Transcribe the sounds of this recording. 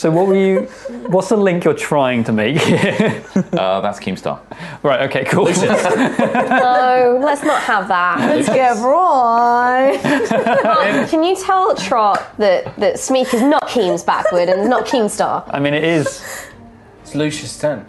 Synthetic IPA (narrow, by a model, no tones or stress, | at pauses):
soʊwɒʔwəjəwɒtsðəlɪ̃ŋkjətʰɹ̥aɪɪ̃ŋtʰəmeɪkhi | ʔʌ̰ða̰tskʰĩmstɑ̰ːɹaɪtoʊkeɪkʰulˠ | oʊlətsnəʔ̚həvðəʔəsɡ̥ɛbɹɔ | mkʰə̃njətʰɛlˠtʰɹ̥ɒʔðəʔðətsmiˑkɪznəʔkʰĩːmzba̰kʰwəɾə̃nɪsnəʔ̚kʰĩmstɑ̰ːʔa̰ɪmĩnɪtɪz̥ | ɪslʉˑʃəstɛ̃n